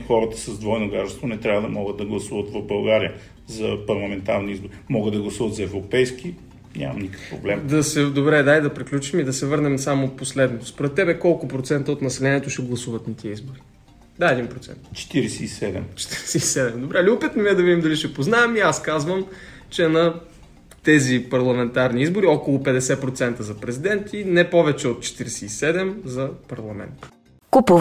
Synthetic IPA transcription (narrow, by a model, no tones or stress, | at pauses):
xɔɾət̪ə̥sɐzd̪vɔjnoɡaɾɛst̪vonɛt̪ɾʲavəd̪ɐmɔɡəd̪d̪ɐɡlˠɐsuvət̪vɐvbɐlˠɡaɾijə | zɐpɐɾlˠɐmɛnt̪aɾniizboɾimɔɡəd̪d̪ɐɡlˠɐsuvət̪zɐɛvɾopɛjski | nʲʔa̰mɐ̰mnikə̥kpɾo̰blɛmd̪ɐsɛd̪obɾɛd̪ajd̪ɐpɾiklʲut͡ʃimid̪ɐsɛvɤɾnɛmsamoposlɛd̪not̪ospoɾɛt̪ːɛbɛkɔlˠkʊpɾot̪sɛnt̪əot̪nɐsɛlɛniɛt̪oʃɛɡlˠɐsuvɐt̪nɐt̪ʰiəizboɾi | d̪aɛd̪inpɾot̪sɛ̰nt̪t͡ʃɛ̥t̪iɾɛsɛisɛd̪ɛ̰mt͡ʃɛ̥t̪iɾɛsɛisɛd̪ɛmd̪obɾɛliʊpit̪nʊmiɛd̪ɐvid̪imd̪ɐliʃɛpoznaɛmiaskazvəm | t͡ʃɛnɐ | t̪ɛzipɐɾlˠɐmɛnt̪aɾniizboɾiɔkolˠʊpɛd̪ɛsɛpɾot̪sɛnt̪əzɐpɾɛzid̪ɛnt̪inɛpɔvɛt͡ʃɛot̪̚t͡ʃɛ̥t̪iɾɛsɛisɛd̪ɛmzɐpɐɾlˠɐmɛ̰nt̪ | kupu